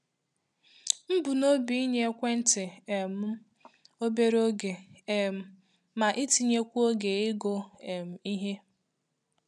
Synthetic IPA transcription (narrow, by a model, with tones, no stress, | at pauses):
m̩˦bʊ˨no˦bi˨i˦ɲe˦kʷe˦n̩˦tɪ˨m̩˦ | o˦be˦ɾo˦ɡe˨m˨ | ma˨ʔɪ˦ti˨ɲe˦kʷu˦o˦ɡe˨ɪ˦ɡo˦e˨m̩˨i˦ɦe˦